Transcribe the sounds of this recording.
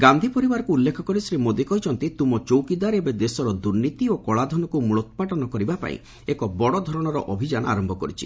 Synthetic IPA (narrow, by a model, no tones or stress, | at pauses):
ɡand̪ʱipɔɾibaɾɔkuːlːekʰɔkɔɾisɾimod̪ekɔɦjt͡ʃʰɔnt̪it̪umɔt͡ʃowkid̪aɾebed̪esɔɾɔd̪uɾnit̪iokɔɭad̪ʱɔnɔkumuɭɔt̪ɔ̥paʈɔnɔkɔɾibapa̰ḭ̃ | ekɔbɔɽɔd̪ʱɔɾɔɽ̃ɔɾɔʔɔbʱid͡ʒana̰ɾɔmbʱɔkɔɾit͡ʃʰi̥̰